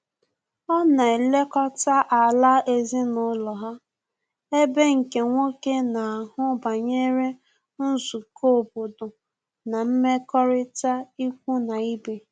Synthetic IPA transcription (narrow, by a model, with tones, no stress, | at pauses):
ɔ˦na˨e˨le˦kɔ˦ta˦ʔa˨la˦e˦zi˦nʊ˦lɔ˨ɦa˦ | e˦be˦ŋ̩˨ke˨ŋʷo˦ke˦na˨a˨ɦʊ˦ba˨ɲe˦ɾe˦ | n̩˦zu˨kʰo˦˨bo˨dʊ˨ | na˨m̩˦me˦kɔ˦ɾɪ˦ta˦i˦kʷu˦na˨i˦be˨